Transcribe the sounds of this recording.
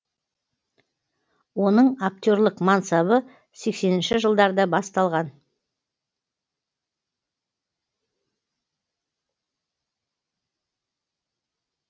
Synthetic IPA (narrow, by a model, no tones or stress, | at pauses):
wo̞nəɴak̚t̪ʲo̞ɾlˠəqmɑnsɑβə | se̞kse̞nɪnʃɪʒəlˠd̪ɑɾd̪ɑbɑst̪ɑlˠʁɑn